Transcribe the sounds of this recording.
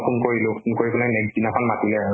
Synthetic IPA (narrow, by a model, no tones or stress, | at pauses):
pʰunkoɹilʊ̃kunkoɹikulanɛkzinakʰɔnmatilɛaɹ